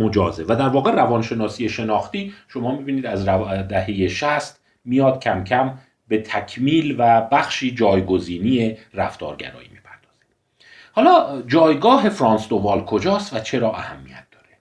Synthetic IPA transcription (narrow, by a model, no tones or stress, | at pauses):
mod͡ʒɒːzevæd̪æɾvɒːɣe̞rævɒnʃe̞nɒːsiːje̞ʃe̞nɒːxt̪iːʃo̞mɒːmibiːniːd̪æzd̪æhe̞jeʃæst̪ | mijɒːd̪̥̚cʰæmcʰæm | be̞t̪ʰækʰmiːlvæbæxʃiːd͡ʒɒːjɡo̞ziːnijeræft̪ɒ̰ːɾɟæ̰ɾɒ̰ːjḭːmiːpʰæɾd̪̥ɒːz̥i̥d̪̥ | hɒːlɒːd͡ʒɒːjɡɒːɦe̞fɾɒːnsd̪ovɒːlkʰo̞d͡ʒɒːst̪væt͡ʃʰe̞ɾɒːʔæhæmːḭjæt̪̚d̪ɒːɾe